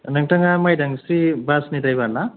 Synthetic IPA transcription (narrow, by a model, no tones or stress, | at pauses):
naŋtaŋamajdaŋsibasnidajbana